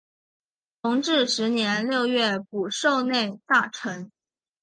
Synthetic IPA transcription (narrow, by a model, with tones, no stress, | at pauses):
t̪ʰʊ˧˥ŋʈ͡ʂɻ̩˥˩ʂɻ̩˧˥njɛ˧˥nljo˥˧ʊɥɛ˥˩pu˨˩ʂo˥˧ʊne˥˧ɪt̪a˥˩ʈ͡ʂʰə˧˥ŋ